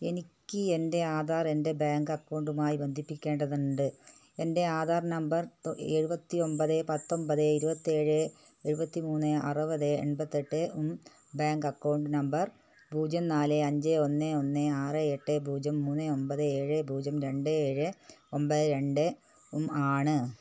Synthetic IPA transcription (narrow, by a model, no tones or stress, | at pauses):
e̞nikʲːɨende̞aːd̪ʱaːre̞nde̞baːŋɡɐkːɐwɳɖumaːjibend̪ʱipːikʲːe̞ːɳɖɐðuɳɖɨ | e̞nde̞aːd̪ʱaːrnɐmbɐreːɻubɐt̪ːio̞mbɐðɨpɐt̪ːo̞mbɐðɨiɾubɐt̪ːie̞ːɻɨeɻubɐt̪ːimuːnːɨɐ̰rɨbɐðɨḛɳbɐt̪ːeʈːɨum | baːŋɡɐkːɐwɳɖɨnɐmbɐr | bʱuːd͡ʑɐmnaːleɐɲd͡ʑeonːeo̞nːɨaːrɨeʈːɨbʱuːd͡ʑɐmːuːnːɨo̞mbɐðɨeːɻɨbʱuːd͡ʑɐmɾe̞ɳɖɨeːɻɨo̞mbɐðɨɾe̞ɳɖɨ | umaːɳɨ